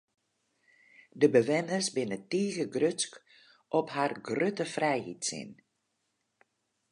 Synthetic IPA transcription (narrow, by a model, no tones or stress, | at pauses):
dəbəʋɪnərsbɪnətiːɣəɡrøsk | ʔɔpharɡrøtəfrɛjhḭtsɪ̰n